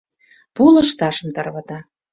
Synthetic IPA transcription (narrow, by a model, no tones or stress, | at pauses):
pulə̆ʃt̪ɑʃə̆mt̪ɑrβɑt̪ɑ